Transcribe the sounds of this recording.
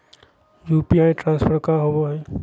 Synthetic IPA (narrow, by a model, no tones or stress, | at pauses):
juːpiaːjʈɾãːnspʰəɾkaɦowoɦɛː